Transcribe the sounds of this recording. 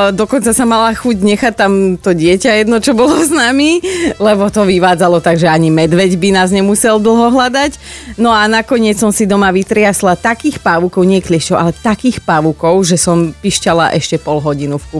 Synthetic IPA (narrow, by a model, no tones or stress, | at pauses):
d̪ɔkɔnt͡sasamalaxuɟɲɛxact̪ːamt̪ɔɟɪɛcajɛd̪nɔt͡ʃɔbɔlɔznamilɛbɔt̪ɔʋiʋaːd͡zalɔt̪aɡʒɛaɲimɛd̪ʋɛɟbinaːzɲɛmusɛld̪l̩ˠɦɔɦlad̪ac | nɔanakɔɲɪɛt͡ssɔmsid̪ɔmaʋit̪ɾɪaslat̪akiːxpaʋukɔʊɲɛɛklɪɛʃcɔʊʔalɛt̪akiːxpaʋukɔʊʒɛsɔmpiʃcala̰ʔɛʃcɛpɔlɦɔɟinufku